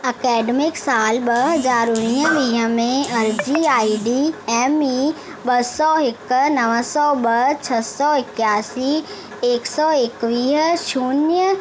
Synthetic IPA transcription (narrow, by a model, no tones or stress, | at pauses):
ɐkɛːɖəmɪksaːlbɐɦɐzaːɾʊnijəʋĩːɦəmẽɐɾd͡ʒiaːiɖiɛːmi | bɐsɔɪknɐʋəsɔːbɐɦt͡ʃʰɐsɔɪkjaːsi | eːksɔɪkʋiːɦʃuːnjə